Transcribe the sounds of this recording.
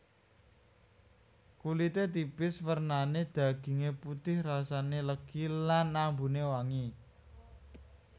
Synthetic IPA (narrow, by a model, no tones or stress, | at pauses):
kulit̪et̪ipɪswərnaned̪̥ä̤ɡ̥i̤ŋeput̪ɪhrasaneləɡ̥ilanːambunewaŋi